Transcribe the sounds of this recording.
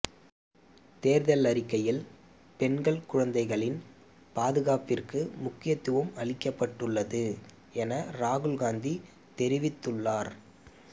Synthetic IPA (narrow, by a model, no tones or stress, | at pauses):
t̪eːɾðɐlɐɾɪkːɐjɪl | pɛnɡɐɭkʊɻɐnd̪ɐɪɣɐɭɪn | paːðɯɣaːpɪrkɯmʊkːɪjɐt̪ːɯʋɯmɐɭɪkːɐpːɐʈːɯɭːɐðɯ | ɛnɐɾaːɣɯɭɣaːnd̪i | t̪ɛɾɪʋɪt̪ːɯɭːaːɾ